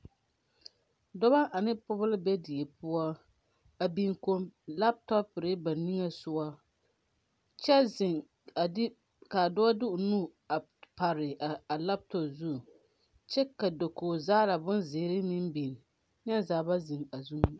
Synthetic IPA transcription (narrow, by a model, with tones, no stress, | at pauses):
dɔ˦ba˦ʔa˨nɪ˦pʊ˦bʊ˦lbɛ˦dɪ˨e˨pʊ˦a˦ | a˨bi˦ŋko˦mla˦p̚tɔ˦pɾɪ˦ba˨nːi˦ŋa˨sʊ˦a˦ | t͡ʃɛ˦zɪ˨ŋ | a˨˦ | ka˨dɔ˦a˦dɪ˦ʔʊ˨nu˦ | a˨ | pa˨ɾɪ˨a˨la˦p̚tɔ˨pzu˦˨ | t͡ʃɛ˦ka˨do˨koː˨zaː˦la˨bʊ˦nzɪː˨˦ɾɪ˦mɪ˦mbi˨n˨ | ɲ˦ɛ˦zaː˨ba˦zɪ˨ŋa˨zu˦ŋ˦